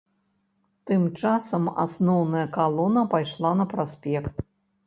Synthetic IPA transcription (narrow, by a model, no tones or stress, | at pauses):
t̪ɨmt͡ʂasɐma̰snɔwnɐjɐkalˠɔnɐpajʂlˠanɐpɾasʲpʲɛkt̪̚